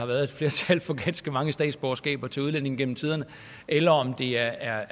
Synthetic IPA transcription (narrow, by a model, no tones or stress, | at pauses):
ɑ̈ʋæːɐð̩ˠe̝d̥fle̝ɐt͡sʰælfɒ̽ɡ̥æd̥sɡ̥əmɑ̈ŋəsd̥ɛ̰ːd̥sb̥ɒʊsɡ̥ɛ̰ːb̥ɐt͡sʰe̝uð̞ˠlæn̰e̝ŋ̩ɡ̥en̰m̩t͡sʰiːð̞ˠɐnə | ʔelɐɒ̽md̥e̝ɐæɐ